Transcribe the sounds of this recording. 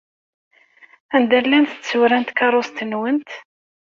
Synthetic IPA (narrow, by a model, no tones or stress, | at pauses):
ænd̪ælːænθə̥t͡st͡sːuɾænt̪kɑɾˤost̪ənwənt̪